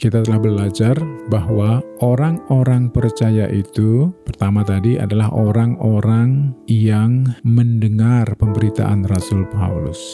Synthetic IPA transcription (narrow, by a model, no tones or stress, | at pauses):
kit̪at̪əlahbəlad͡ʒarbahwaʔoɾaŋoɾaŋpərt͡ʃajaʔit̪upərt̪amat̪adiʔa̰dalaɦʔoɾaŋoɾaŋjaŋməndəŋarpəmbəɾit̪a̰ʔanrasʊlpa̰ulʊ̰s